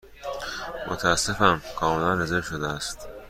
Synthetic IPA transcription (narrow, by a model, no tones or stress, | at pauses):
mo̰t̪ʰææsːefæmkʰɒːmelænːæzeɾʃod̪eæst̪